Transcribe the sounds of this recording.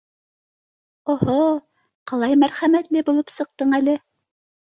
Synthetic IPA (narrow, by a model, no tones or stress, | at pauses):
ŏho | qɑlˠɑjmæɾχæmæt̪lɘbulˠɤpsɤ̆q̚t̪ɤɴælɘ